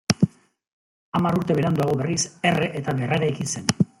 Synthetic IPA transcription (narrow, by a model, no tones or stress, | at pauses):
amaɾuɾt̪e̞βe̞ɾand̪uaɣ̞oβe̞rise̞re̞ʔet̪aβeraɾajkise̞n